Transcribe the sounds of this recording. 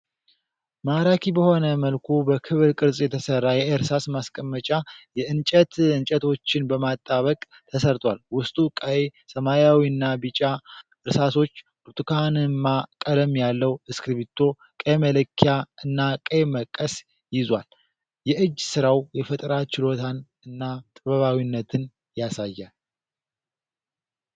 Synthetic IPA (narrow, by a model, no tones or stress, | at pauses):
maɾakʰibəho̞nəməlkʰubəkʰɨβɾkʼɨɾzʼjɛt̪ʰəsərːajɛeɾsasmaskʼəmːət͡ʃʼajɛɨnt͡ʃʼət̪ɨnt͡ʃʼət̪ʰo̞t͡ʃːɪnbəmat̪ʼːaβəkʼ | t̪ʰəsəɾt̪ʰʼwalwʊst̪ʼukʼəjsəmajawiɨnːabɨt͡ʃʼa | ɨɾsaso̞t͡ʃːbuɾt̪ʼɨkʰanɨmːakʼələmjalːəwɨskɾiβit̪ʰːo̞ | kʼemələkʰːjaɨnːakʼəjməkʼːəs | jɪzwal | jɛʔɨd͡ʒːsɨɾawjɛfət̪ʼɾat͡ʃɪlo̞t̪ʰan | ɨnːat̪ʼɨβəβawinːət̪ʰɨn | jasajːal